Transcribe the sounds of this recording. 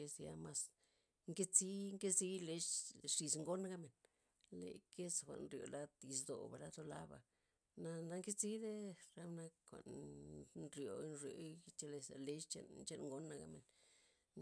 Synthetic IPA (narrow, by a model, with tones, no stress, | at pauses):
e˧sja˧ma˧s | ŋke˦t͡si˦ŋke˦zi˦le˦t͡ʃʂi˧sŋɡo˦na˦ɡa˦me˨n | lḛ˨ke˦sxʷa̰˨ʔnɾjo̰˨la˦t̪ji˧s̬d̪o̰˨ba˨la˦t̪o˧la˦ba̰˨ | na˧na˦ŋke˦t͡si˦d̪e˦ɾa˦bna˦kxʷa̰˨ʔn | nɾjo˨˦nɾjo˨˦t͡ʃe˧le˧sa̰˨le˦ʃt͡ʃḛ˦nt͡ʃe˦nŋɡo˦nːa˧ɡa̰˦me˨n